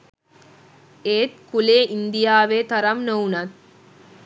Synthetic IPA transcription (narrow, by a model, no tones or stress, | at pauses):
eːt̪kuleːʔind̪ijaːʋeːt̪ɐɾɐmnownɐt̪̚